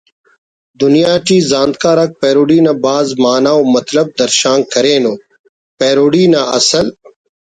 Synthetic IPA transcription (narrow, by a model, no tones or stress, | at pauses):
d̪ʊnijaːʈiːzãːnd̪̚kaːɾɐk̚peːɾoːɽiːnɐbaːzmaːnaːoːmɐt̪lɐb̚d̪ɐɾʃaːŋkʰɐɾeːnoː | peːɾoːɽiːnaɐ̰səl